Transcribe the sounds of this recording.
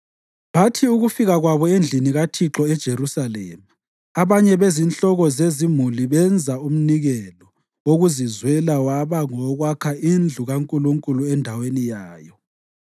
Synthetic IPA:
βatʰiuɣufiɣaɣwaβɔend͡ɮʱiniɣatʰiǁɔɛd̥ʒ̥ʱerusalḛma | aβaɲɛβezinɬɔɣɔzezimuliβɛnd͡zʱaum̩niɣɛlɔ | woɣuzizwɛlawaβaŋɔɣwakʰaind͡ɮʱuɣaŋkʼuluŋkʼuluɛndʱawenijaːjɔ

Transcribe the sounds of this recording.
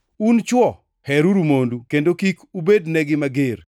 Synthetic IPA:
unt͡ʃwɔ | hɛɾuɾumondukendokikubednɛɡɪmaɡer

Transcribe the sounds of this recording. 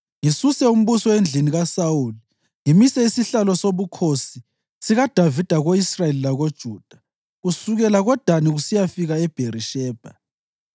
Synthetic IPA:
ŋisusɛum̩βusɔend͡ɮʱiniɣasawuːli | ŋimisɛisiɬalɔsoβukʰosi | siɣad̥ʱavid̥ʱaɣoisraelilaɣod̥ʒ̥ʱuːd̥ʱḁ | ɣusuɣɛlaɣɔd̥ʱaniɣusijafiɣaɛb̥ʱeriʃɛːb̥ʱa

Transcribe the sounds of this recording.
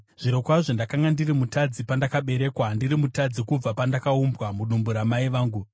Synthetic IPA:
ʐ̥iɾo̞kwaʐondakaŋɡandirimutad͡zipandakaɓe̞ɾe̞ːkwandiɾimutad͡zikub͡vapandakaumbwamuɗumbuɾamaiʋaːŋɡu

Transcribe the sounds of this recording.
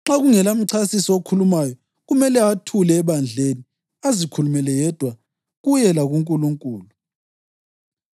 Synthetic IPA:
ŋ͡ǁaɣuŋɛlam̩ǀʰasisɔokʰulumajɔ | ɣumɛlɛatʰulɛːβand͡ɮʱeni | azikʰulumɛlɛjɛd̥ʱwa | ɣujɛlaɣuŋkʼuluŋkʼuːlu

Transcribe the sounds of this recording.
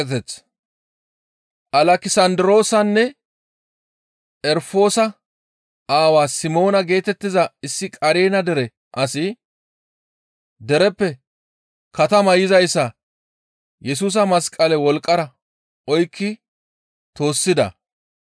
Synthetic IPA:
t̪ɛt͡s | ʔɐlɐkɪsɐnd̪ɪɾo̞ːsɐnːɛ | ʔɛɾfo̞ːsɐ | aːwaːsɪmo̞ːnɐɡe̞ːt̪ɛt̪ːɪzɐɪsːɪkʼɐɾeːnɐd̪ɛɾɛ | ʔɐsɪ | d̪ɛɾɛpːɛ | kɐt̪ɐmɐjɪzɐjsːɐ | jɛs̬uːs̬ɐmɐskʼɐlɛwɔlkʼːɐɾɐ | ʔɔjkːɪ | t̪o̞ːsːɪd̪ɐ̰

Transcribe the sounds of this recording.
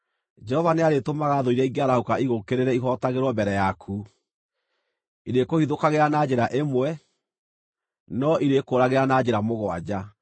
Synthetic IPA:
d͡ʒɛhɔvaneaɾetomaɣaðoiɾɛiɡeaɾahokaiɣokeɾeɾɛiɦɔtaɣeɾwɔmbɛɾɛjakʰu | iɾekohiðokaɣeɾanad͡ʑeɾaʔemwɛ | nɔʔiɾekoɾaɣeɾanad͡ʑeɾamoɣwa̰d͡ʑa

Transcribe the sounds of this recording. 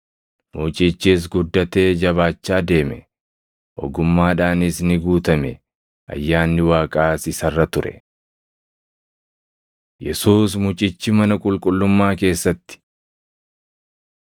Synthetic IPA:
muːt͡ʃʼɪt͡ʃːiːs̬ɡʊd̪ːɐt̪e̞ːd͡ʒɐβaːt͡ʃːaːd̪e̞ːmɛ̰ | ʔɔ̰ɡʊmːaːᶑaːnɪsnɪɡuːt̪ɐmɛ | ʔɐ̰jːaːnːɪwaːkʼaːsɪsɐrːɐt̪ʊɾɛ̰ | jɛsuːsmʊt͡ʃʼɪt͡ʃːɪmɐnɐkʼʊlkʼʊlːʊmːaːke̞ːsːɐt̪ːɪ̥

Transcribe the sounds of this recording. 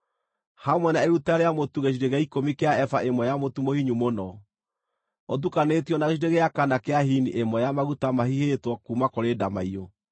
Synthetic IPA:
hamwɛnaeɾutaɾeamotuɣeʃ̬iɾeɣaikomikeaɛfaʔemwɔjamotumohiɲumonɔ | ot̬ukanetiɔnaɣeʃ̬iɾeɣeakanakeahiniʔemɔjamaɣutamahihetwɔkumakoɾeːdamaio

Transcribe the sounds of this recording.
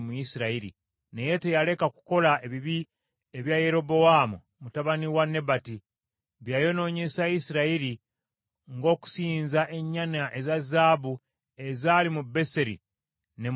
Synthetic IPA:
muisiɾaiɾḭ | nejetejale̞kaku̥ko̞laʔe̞βiβi | eβjajeɾo̞bo̞waːmu | mutaβaniwanːe̞bati | βjajo̞no̞ːɲe̞sajisiɾaiɾi | ŋɡo̞ːku̥siːnzaʔe̞ɲːanaʔe̞zazaːbu | e̞zalimube̞seɾḭ | ne̞

